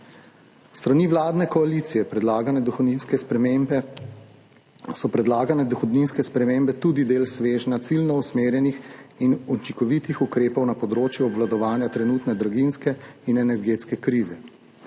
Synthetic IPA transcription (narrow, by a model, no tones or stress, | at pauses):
st̪ɾaniʋlaːd̪nɛkɔaliːt̪sijɛpɾɛd̪laːɡanɛd̪ɔxɔd̪ninskɛspɾɛmembɛ | sɔpɾɛd̪laːɡanɛd̪ɔxɔd̪ninskɛspɾɛmeːmbɛt̪ud̪id̪eːlsʋeːʒnat̪silnɔusmeːɾjɛnixinut͡ʃikɔʋit̪ixukɾeːpɔwnapɔd̪ɾoːt͡ʃjuɔbʋlad̪ɔʋaːnjat̪ɾɛnuːt̪nɛd̪ɾɔɡinskɛinɛnɛɾɡeːt̪skɛkɾiːzɛ